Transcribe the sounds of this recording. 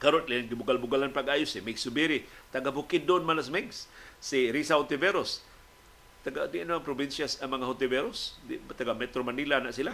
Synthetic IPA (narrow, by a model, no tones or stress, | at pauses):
kaɾonlinɡibʊɡalbʊɡalanpaɡajosimiɡsubiɾit̪aɡabukɪdːʊʔːnmalas̬mɪɡsːiɾisahʊt̪ɪveɾos | t̪aɡadɪʔanaŋpɾobinsjasaŋmɐŋahʊt̪ɪveɾosdt̪aɡamɛt̪ɾomanilanaʔsila